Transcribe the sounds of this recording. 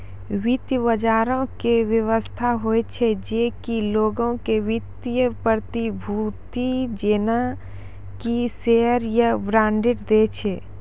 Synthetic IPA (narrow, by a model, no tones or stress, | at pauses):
ʋit̪jəbəd͡ʒaːɾõkeʋjəʋəst̪ʰaɦoet͡ʃʰed͡ʒeːkiloːɡõkewɪt̪jəpəɾt̪ibʱut̪id͡ʒeːna | kiseɦəɾjəbɾãːɳɖɪʈd̪eːt͡ʃʰeː